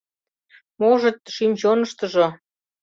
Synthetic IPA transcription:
moʒɤ̆t̪ʃimʑonə̆ʃt̪ə̆ʒŏ

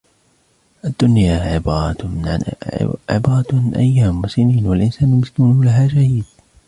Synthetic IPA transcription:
ʔad̪ːʊnjaːʕɪbɾˤɑ | ʕɪ̰bɑːɾˤɑt̪ɪnʔa̰jːaːmːʊsɪniːnwalʔɪnsaːnlmɪskunulaɦaːd͡ʒahiːɪːd̪

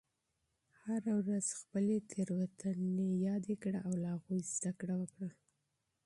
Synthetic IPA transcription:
haɾawɾaz̥xpəlet̪ʰeɾwat̪ʰənejɑd̪ekɽaʔawlahaɣujzd̪akɽawəkɽa

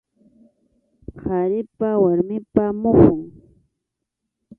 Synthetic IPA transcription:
haɾɪpawaɾmɪpamʊχʊŋ

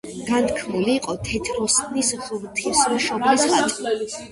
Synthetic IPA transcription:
ɡ̥ant̪ʰkʰmuliːqʼɔt̪ʰɛt̪ʰɾɔsʼnisʁvt̪ʰismʃɔblissʁa

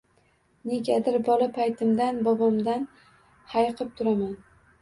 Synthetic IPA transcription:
ne̞ɡʲad̪ɪɾbɒlapʰajt̪ʰɪmd̪anbɒbɒmd̪an | hajqʰɨp̚t̪ʰʊɾaman

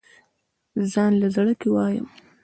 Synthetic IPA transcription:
zɑnlazaɽəkewɑjə̰m

